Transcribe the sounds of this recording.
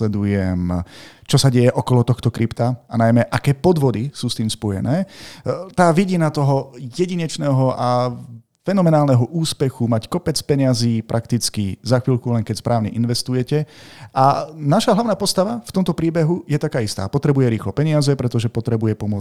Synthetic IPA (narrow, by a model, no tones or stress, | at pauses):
lɛd̪ujɛm | t͡ʃɔsaɟɛjɛʔɔkɔlɔt̪ɔxt̪ɔkɾipt̪aanajmɛʔakɛːpɔd̪ʋɔd̪isuːst̪iːmspɔjɛ̰nɛːt̪aːʋiɟinat̪ɔɦɔjɛɟiɲɛt͡ʃnɛːɦɔʔa | fɛnɔmɛnaːlnɛɦɔʔuːspɛxumackɔpɛt͡spɛɲɪaziːpɾʔakt̪it͡skizaxʋiːlkulɛŋkɛcspɾʔaːʊɲɛʔinʋɛst̪ujɛcɛʔanaʃaɦlaʊnaːpɔst̪aʋaft̪ɔmt̪ɔpɾiːbɛɦujɛt̪akaːist̪a̰ːpɔt̪ɾɛbujɛɾiːxlɔpɛɲɪazɛpɾɛt̪ɔʒɛpɔt̪ɾɛbujɛpɔmʊɔ